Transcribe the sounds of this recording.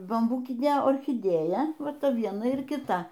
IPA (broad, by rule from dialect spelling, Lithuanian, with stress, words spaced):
bɐmˈbuːkʲɪnʲeː oːrʲxʲɪˈdʲeːjɛ ˈʋɐ ˈtɐ ˈʋʲiɛnɐ ɪr kʲɪˈtɐ